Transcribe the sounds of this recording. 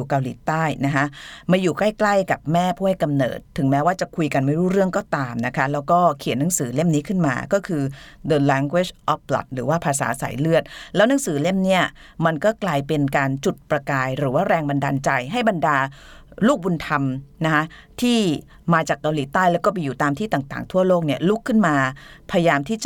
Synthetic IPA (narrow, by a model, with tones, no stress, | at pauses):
uː˨˩ka˧wliː˩˦t̪aː˥˩jna˦˥kʰa˦˥ʔmaː˧juː˨˩kla˥˩jkla˥˩jka˨˩p̚mɛː˥˩pʰuː˥˩ha˥˩jka˧mnɤ̰ː˨˩t̪ʰːɯ˩˦ŋmɛː˦˥waː˥˩t͡ɕa˨˩kʰu˧jka˧nma˥˩jɾuː˦˥˩ɾɯ˥˩əŋkɔː˥˩t̪aː˧mna˦˥kʰa˦˥lɛː˦˥wkɔː˥˩kʰi˨˩˦ənːa˨˩˦ŋsɯː˩˦le˥˩mniː˦˥kʰɯ˥˩nma̰ː˧kɔː˥˩kʰɯː˧dɤː˧lɛː˧˥ŋɡwe˦˥˩ʔɔ˦˥p̚la̰˨˩t̪̚ɾɯː˩˦waː˥˩pʰaː˧sa̰ː˩˦sa̰ː˩˦jlɯ˥˩ət̪̚lɛː˦˥wna˩˦ŋsɯː˩˦le˥˩mni˦˥˩ɐma˧nkɔː˥˩klaː˧jpe˧nkaː˧nt͡ɕu˨˩t̪̚pɾa˧kaː˧jɾɯː˩˦waː˥˩ɾɛː˧ŋba˧nda̰ː˧nt͡ɕa˧jɦa˥˩jba˧ndaː˧luː˥˩k̚u˧nt̪ʰa˧mna˦˥kʰa˦˥ʔ | t̪ʰiː˥˩ | maː˧t͡ɕaː˨˩kːa˧wliː˩˦t̪aː˥˩jlɛ˦˥wkɔː˥˩pi˧juː˨˩t̪aː˧mt̪ʰiː˥˩t̪aː˨˩ŋt̪aː˨˩ŋt̪ʰu˥˩əloː˥˩k̚ni˥˩ɐlu˦˥kʰːɯ˥˩nmaː˧pʰa˧ja˧jaː˧mt̪ʰiː˥˩t͡ɕa